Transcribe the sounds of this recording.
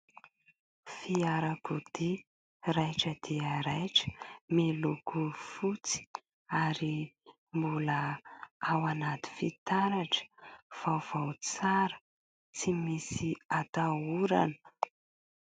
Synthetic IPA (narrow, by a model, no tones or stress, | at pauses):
fiaɾakud̪̥i | ɾajʈ͡ʂəd̪̥iəɾajʈ͡ʂə̥melukufut͡si̥ | aɾi | mbuləawanat̪i̥fit̪aɾaʈ͡ʂə̥v̥awv̥awt͡saɾə̥ | t͡simisiat̪auɾa̰nə̥